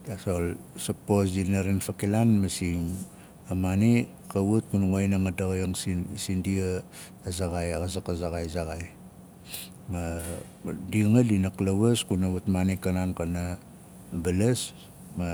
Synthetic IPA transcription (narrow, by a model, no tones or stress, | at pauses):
dasolsaposdinaɾenfakilanmasiŋ | amani | kawut̚kunuŋojnaŋadaɣajaŋsisindiaː | zaɣajaɣasakazaɣajzaɡaj | ma | diŋadinaklaβaskunaβatmanikːanankana | balas | ma